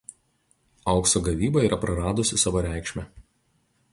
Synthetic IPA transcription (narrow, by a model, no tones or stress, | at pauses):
ɐʊksoːɡɐʋʲiːbɐiːɾʔɐpɾɐɾɑːd̪ʊsʲɪsɑːʋoːɾʲæˑɪkʃʲmʲɛ